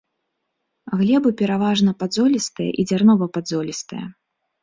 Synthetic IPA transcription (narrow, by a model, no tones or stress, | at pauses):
ɣlʲɛbɨpʲɛɾavaʐnɐpad̪zɔlʲist̪ɨjɐ̰ʔid͡zʲarnɔvɐpad̪zɔlʲist̪ɨjɐ̰